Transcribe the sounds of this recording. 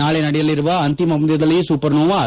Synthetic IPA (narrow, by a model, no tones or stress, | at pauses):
aːɭenɐɽɛjɐlːɪɾɯʋɐɐnt̪imɐmɐd̪jɐd̪ɐlːisuːpɐɾnoːʋa